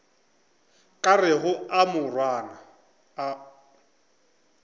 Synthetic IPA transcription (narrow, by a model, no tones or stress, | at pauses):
kʼarɪɦʊamʊrwaːna